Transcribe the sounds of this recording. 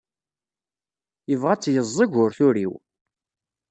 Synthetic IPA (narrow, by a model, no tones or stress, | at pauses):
jəvʁat͡sːjəzˤːəʝʊɾθʊɾiw